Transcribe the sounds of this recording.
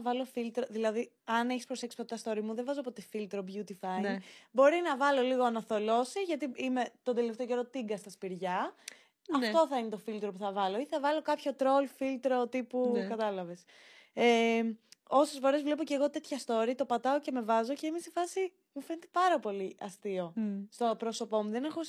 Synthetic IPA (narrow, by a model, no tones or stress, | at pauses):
vɐlo̞filt̪ɾoðilɐði | ɐneçi̥spɾose̞ksi̥pot̪ɐst̪o̞ɾimuðevɐzopot̪e̞filt̪ɾobʝut̪ifɐjbo̞ɾinɐvɐlo̞liɣo̞ɐnɐθo̞lo̞siʝɐt̪iime̞t̪o̞nd̪e̞le̞ft̪eoce̞ɾot̪iŋɡɐst̪ɐspiɾʝɐ | ɐft̪o̞θɐinet̪o̞filt̪ɾo̞puθɐvɐlo̞iθɐvɐlo̞kɐpço̞t̪ɾo̞lfilt̪ɾo̞t̪ipukɐt̪ɐlɐve̞s | e | o̞sesfo̞ɾe̞zvlepoceɣo̞t̪e̞t̪çɐst̪o̞ɾit̪o̞pɐt̪ɐoce̞me̞vɐzo̞ceimesefɐsi | mufe̞net̪epɐɾɐpo̞liʔɐst̪io̞st̪o̞pɾo̞so̞po̞muðene̞xo